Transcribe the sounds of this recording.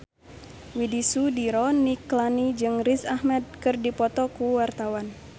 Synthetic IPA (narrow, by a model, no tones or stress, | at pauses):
widisudiɾɔniklanid͡ʒɨŋrisahmɛd̪̚kɨrdipɔt̪ɔkuwart̪awan